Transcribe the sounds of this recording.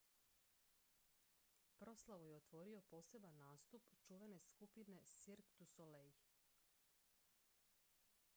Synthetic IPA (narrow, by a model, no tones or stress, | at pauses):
pɾo̞slˠaʋujeot̪ʋo̞ɾio̞po̞ːse̞banːaːst̪upt͡ʃuʋe̞ne̞skupine̞siɾkt̪usolej